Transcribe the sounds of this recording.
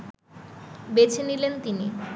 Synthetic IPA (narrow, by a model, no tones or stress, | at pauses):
bet͡ɕʰenilent̪ini